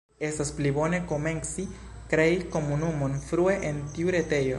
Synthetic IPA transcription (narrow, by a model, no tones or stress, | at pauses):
e̞stasplibo̞ne̞ko̞me̞nsi | kɾe̞iko̞munumo̞nfɾue̞ʔentiuɾe̞te̞jo̞